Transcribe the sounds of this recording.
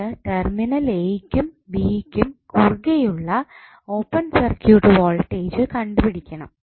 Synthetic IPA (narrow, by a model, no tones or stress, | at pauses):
ɨʈerminɐlejkʲːum | biːkʲːumkurɡejuɭːɐ | o̞ːpːɐnsɐrkjuːʈːɨʋoːlʈːeːd͡ʑɨkɐɳɖupiɽikʲːɐɳɐm